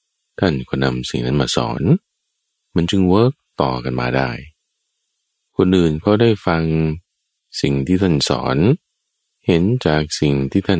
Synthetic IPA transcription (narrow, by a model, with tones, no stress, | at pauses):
t̪ʰa˥˩nkʰɔː˧˩na˧msi˨˩ŋna˦˥nmaː˧sɔ̰ː˩˦n | ma˧nt͡ɕɯ˧ŋwɤː˦˥k̚t̪ɔ̰ː˨˩ka˨nmaː˧da̰ː˥˩j | kʰo˧nʔɯː˨˩nkʰɔ˦˥˩daː˥˩jfa˧ŋ | si˨˩ŋt̪ʰiː˥˩t̪ʰa˥˩nsɔ̰ː˩˦n | he˩˦nt͡ɕaː˨˩k̚si˨˩ŋt̪ʰiː˥˩t̪ʰa˥˩